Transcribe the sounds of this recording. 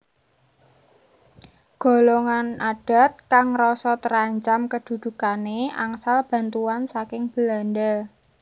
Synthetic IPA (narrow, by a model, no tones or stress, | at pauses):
ɡ̥o̤loŋanaɖ̥a̤t̪̚kaŋrɔsɔt̪əɾaɲt͡ʃamkəd̪̥ṳd̪̥ṳkaneaŋsalb̥a̤nt̪uansakɪŋb̥əland̪əl